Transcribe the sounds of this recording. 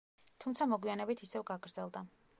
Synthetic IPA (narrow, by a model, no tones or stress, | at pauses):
t̪ʰumt̪sʰamɔɡwianɛbit̪ʰisɛvɡaɡɾd̪zɛlˠd̪a